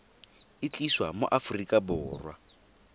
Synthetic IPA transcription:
ɪt͡ɬʼiswamo̰ʔafrikʼabʊːrwa

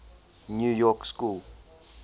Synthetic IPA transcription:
njujɔkskul

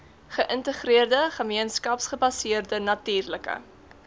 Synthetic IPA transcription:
χəʔəntəχriərdəχəmiənskɐpsχəbɐsiərdənɐtiːrləkə̰

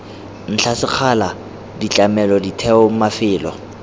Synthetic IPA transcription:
n̩t͡ɬʰasɪq͡χʰala | dit͡ɬʼamɛlɔditʰɛɔmafɪːlɔ

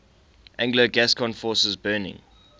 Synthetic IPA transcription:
ʔæ̃ŋɡləɡæskʰɔ̃nfɔːˑsəzbɜːnɪ̰̃ŋ

